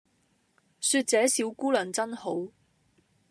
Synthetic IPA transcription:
syː˧t̚t͡sɛː˨˥siː˨˥wkuː˥lœː˨˩ŋt͡sɐ˥nho˨˥w

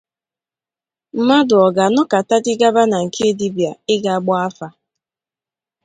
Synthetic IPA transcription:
m̩˨ma˦dʊ˨ɔ˨ɡa˨nɔ˦ka˨ta˦dɪ˦ɡa˦ba˦na˨ŋ̩˨kʰe˦di˦bja˨ɪ˦ɡa˨a˨ɡ͡bɔ˦a˦fa˦

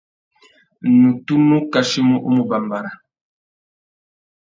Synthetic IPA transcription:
nu˨tu˦nu˦ka˨ʃi˦mu˦ʔu˦mu˦ba˨mba˨ɾa˨

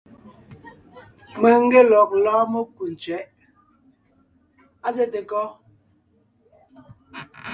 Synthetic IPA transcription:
mə˨ŋ̩˦ɡe˦lɔ˨k̚laː˦mo˦ku˨n̩˨t͡ʃɥɛ˨˦ʔ | a˦zɛ˦te˨kɔ˦

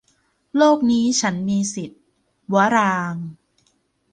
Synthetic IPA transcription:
loː˥˩k̚niː˦˥t͡ɕʰa˦˥nmiː˧si˨˩t̪̚ | wa˦˥ɾaː˧ŋ

